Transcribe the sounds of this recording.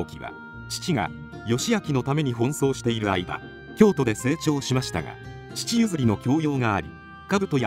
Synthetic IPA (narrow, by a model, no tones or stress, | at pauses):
kʲiβa̰ | t͡ɕi̥t͡ɕiɡa̰ | jo̞ɕijakʲino̞t̪ame̞ɲ̟iɦõ̞ɰ̃so̞ːɕi̥t̪e̞iɾɯ̟aiba̰ | kʲo̞ːt̪o̞d̪e̞se̞ːt͡ɕo̞ːɕimaɕi̥t̪a̰ɡa̰ | t͡ɕi̥t͡ɕijɯ̟zɨɾʲino̞kʲo̞ːjo̞ːŋaːɾʲḭ̥ | kabɯ̟t̪o̞j